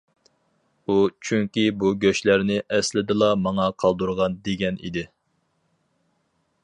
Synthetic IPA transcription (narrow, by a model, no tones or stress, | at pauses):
ut͡ʃʰyŋkʲibuɡʲøʃlæɾnɪʔɛslɪd̪ɨlˠɑmɑŋɑqʰɑlˠd̪uɾʁɑnd̪eɡʲɛnʔḭd̪ɪ